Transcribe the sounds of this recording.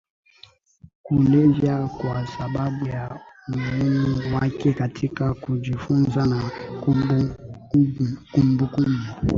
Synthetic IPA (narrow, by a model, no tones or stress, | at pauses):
kulevjakwasababujamumunwakekatʰikakudifunzanaku | kumbukumu